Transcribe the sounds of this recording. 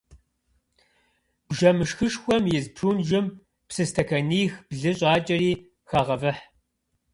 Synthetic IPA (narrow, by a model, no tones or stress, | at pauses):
bʒɐmɨʃxɨʂxʷɔmjɪzpʰruːnʒɪm | psɨstʰɐkʰɐniːxb̥ɮɨɕʼɑːt͡ʃʼɐriː | xaːʁɐvɐħ